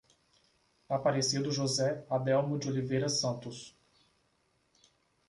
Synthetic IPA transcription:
apaɾesid̪ʊʒozɛad̪ɛwmʊd͡ʒɪolivejɾɐsɐ̃nt̪ʊs

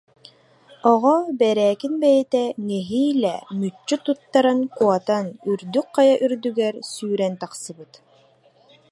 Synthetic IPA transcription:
ɔʁɔbɛɾɛːkinbɛjɛt̪ɛnɛɦiːlɛmyt͡ʃːyt̪ut̪ːaɾankuɔt̪anyɾd̪yk̚qajaʔyɾd̪yɡɛɾsyːɾɛnt̪aqsɯbɯt̪

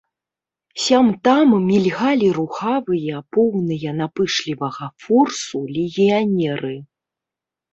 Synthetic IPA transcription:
sʲamt̪ammʲilʲɣalʲiɾuxavɨjɐpɔwnɨjɐnapɨʂlʲivɐɣɐfursulʲiɣʲianʲɛɾɨ

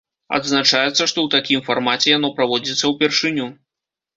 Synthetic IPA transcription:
ɐ̰d̪znat͡ʂajɛt̪sːɐʂt̪ɔwt̪akʲimfarmat͡sʲɛjan̪ɔpɾavɔd͡zʲit̪sːɐwpʲɛrʂɨnʲu

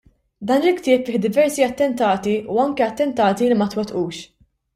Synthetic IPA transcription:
d̪ɐːnɪlkt̪ɪːpfɪːħd̪ɪvɛɾsiɐt̪ːɛnt̪ɐːt̪iʔuɐŋkɛɐt̪ːɛnt̪ɐːt̪ilɪmɐt̪wɛt̪ʔuːʃ

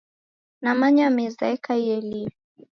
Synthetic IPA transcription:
namaɲamɛzaɛkaiɛli

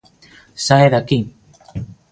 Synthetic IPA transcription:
saeðakiŋ

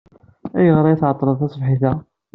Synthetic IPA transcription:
æjəʁɾˤɑjθʕət̪ˤːɾˤəðˤθæsˤvħiθæ

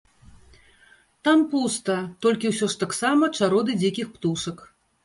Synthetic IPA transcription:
t̪ampust̪ɐt̪ɔlʲkʲiwsʲɔʂt̪aksamɐt͡ʂaɾɔd̪ɨd͡zʲikʲixpt̪uʂɐk

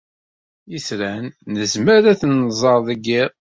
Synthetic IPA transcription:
isɾænːəzməɾæθnzˤɑɾˤðˤəɡɪˤ

